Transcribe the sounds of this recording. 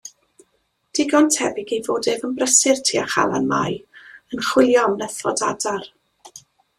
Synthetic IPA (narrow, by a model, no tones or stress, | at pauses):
d̥ɪɡɔntʰɛbɪɡejvoːdɛvənbrəsɪrtʰiːaχa̰lˠa̰nma̰jənχwɪlˠjɔmnɛθɔ̰dadar